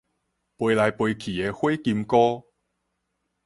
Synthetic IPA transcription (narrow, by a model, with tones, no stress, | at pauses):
pwe˧jla˨˧jpwe˧jkʰi˨˩e˨˧xwe˦ki˧mkɔ˦